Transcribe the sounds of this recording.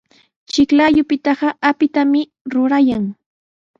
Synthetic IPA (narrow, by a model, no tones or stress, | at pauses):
t͡ʃɪklajʊpɪt̪ɑɢɑʔapɪt̪amɪ | ɾʊɾajaŋ